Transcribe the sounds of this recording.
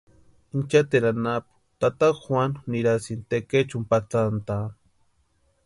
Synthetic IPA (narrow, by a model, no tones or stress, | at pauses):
int͡ʃat̪eɾanapu̥t̪at̪akxwanniɾasint̪eket͡ʃumpat͡sant̪a